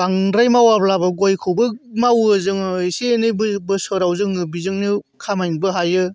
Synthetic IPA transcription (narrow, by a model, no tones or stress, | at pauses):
baŋɾajmawablabɐɡojkʰɯwbɯmawɯzɯŋɯseːnɯjbbɯsɯɾawzɯŋɯbizɯŋnɯ | kʰamajnbɯɦajɯ